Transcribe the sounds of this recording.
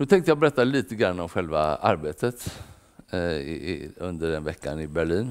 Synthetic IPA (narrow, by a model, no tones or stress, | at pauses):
nʉːt̪ʰɛŋkt̪əjɑːbɛɾɛt̪ːaliːt̪əɡɾanːɔmɧɛlva̰a̰ɾbeːt̪ət̪ | ɪ̰ɵnd̪əɖɛnvɛkːa̰nɪbæɭiːn